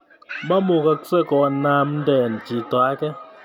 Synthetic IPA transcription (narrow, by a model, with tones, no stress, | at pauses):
ma˦mo˨ka˦sɛ˦kɔ˨na˦mn˦dɛ˨n˨d͡ʒi˨t̪a˨˦kɛ˦